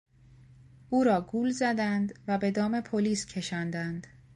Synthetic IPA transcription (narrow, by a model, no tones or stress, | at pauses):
ʔuːɾɒːɡuːlzæd̪ænd̪væbe̞d̪ɒːme̞pʰoliːscʰe̞ʃɒːnd̪ænd̪̥